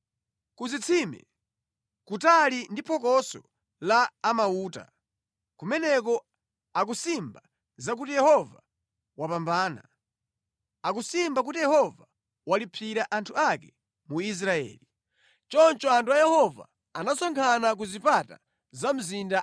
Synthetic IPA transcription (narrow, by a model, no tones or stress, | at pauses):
kuzit͡sʰimɛ̰ | kutalindipʰɔk̬ɔsɔ | laːmauːta̰ | kumɛnɛk̬ɔ | ak̬usimba | zak̬utijɛhɔva | wapambaːna | akusimbak̬utijɛhɔva | walipʰiɾaʔantʰuakɛ | muis̬ɾaɛ̰ːli | t͡ʃɔnt͡ʃɔantʰuajɛhɔva̰ | anasɔŋkʰanak̬uzipata̰ | zam̩zinda